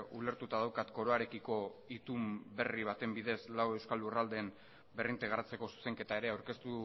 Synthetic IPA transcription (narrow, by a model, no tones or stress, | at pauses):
ule̞ɾt̪ut̪aðawkat̪ko̞ɾo̞aɾe̞kiko̞it̪umbe̞riβ̞at̪e̞mbiðe̞slawe̞wskalurald̪eːn | berint̪eɣ̞aɾat͡se̞ko̞su̥se̞ŋke̞t̪ae̞ɾe̞awɾke̞st̪u